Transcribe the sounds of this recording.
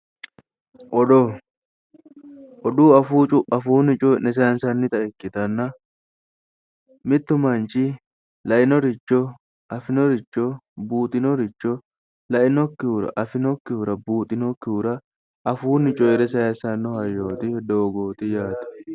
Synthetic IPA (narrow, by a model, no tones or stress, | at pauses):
ʔɔd̪ɔ | ʔɔd̪uːɐfuːt͡ʃʼʊʔɐfuːnɪt͡ʃʼɔnɛs̬aːnsɐnːɪt̪ɐʔɛkːɪt̪ɐnːɐ | mɪt̪ːʊmɐnt͡ʃɪ | lɐʔɪnɔɾɪt͡ʃːɔ | ʔɐfɪnɔɾɪt͡ʃːɔbuːt̪ʼɪnɔɾɪt͡ʃːɔ | lɐʔɪnɔkːɪʊɾɐ̰ʔɐfɪnɔkːɪʊɾɐbuːt̪ʼɪnɔkːɪuɾɐ | ɐfuːnːɪt͡ʃʼɔɪɾɛsɐjɐsɐnːɔhɐjːoːt̪ɪhd̪oːɡoːt̪ɪjaːt̪ɐ̥